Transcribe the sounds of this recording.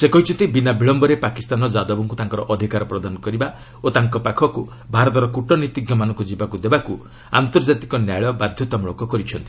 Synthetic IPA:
sekɔɦit͡ʃʰɔnt̪ibinabiɭɔmbɔɾepakist̪anɔd͡ʒad̪ɔbɔŋkut̪aŋkɔɾɔʔɔd̪ʱikaɾɔpɾɔd̪anɔkɔɾiba | ot̪aŋkɔpakʰɔku | bʱaɾɔt̪ɔɾɔkuʈɔnit̪iɡjɔmanɔŋkɔd͡ʒibakud̪ebaku | a̰nt̪ɔɾd͡ʒat̪ikɔnjajɭɔbad̪ʱjɔt̪ɔmuɭɔkɔkɔɾit͡ʃʰɔnt̪i̥

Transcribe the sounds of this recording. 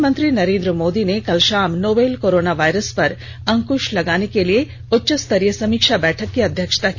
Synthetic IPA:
mɐnt̪ɾinɐɾẽːnd̪ɾɐmoːd̪inekɐlʃaːmnoːbeːlkoːɾoːnaːʋɐjɾɐspɐɾ | ɐŋkuʃlɐɡaːnekelije | ʊtːʃɐst̪ʰɐɾjɐsɐmiːkʂabɛːʈʰɐkːiɐd̪ʱjɐkʂə̥t̪ak

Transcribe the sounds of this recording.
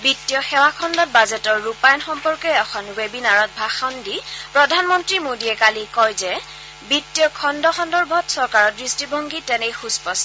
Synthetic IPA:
bitːijɔxɛwakʰɔndɔt̚bazɛtɔɹːupajnxɔmpɔɹkɔɔkʰɔnwebinaɹɔt̚bʱaxɔndipɹɔdʱanmɔntɹimodiɛkalikɔjzɛ | bitːijɔkʰɔndɔxɔndɔɹbʱɔtsɔɹkaɹɔdɹistibʱɔŋɡitɛnɛjxuspɔs

